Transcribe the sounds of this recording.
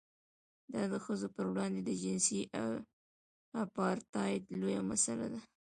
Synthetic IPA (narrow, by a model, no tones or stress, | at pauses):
d̪ɑd̪əxəzopəɾwɽɑnd̪ed̪əd͡ʒɪnsiʔaw | apɑɾt̪ɑɪd̪lojamasala̰d̪a